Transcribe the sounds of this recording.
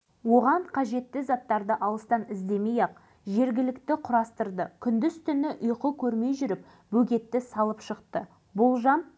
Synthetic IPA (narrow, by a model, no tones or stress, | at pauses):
wo̞ʁɑɴqʰɑʒe̞t̪ːɪzɑt̪ːɑɾd̪əʔɑlˠəst̪ɑnɪzd̪e̞mejɑq̚ | ʒe̞ɾɡʲɪlɪkt̪ɪqʰʊɾɑst̪əɾd̪əkʲʰʏnd̪ɪzt̪ʰʏnɪʔʊjqəkʲʰɵɾme̞jʒʏɾɪp̚ | bɵɡʲe̞t̪ːɪsɑlˠəpʃəqt̪ə | bʊlˠʒɑn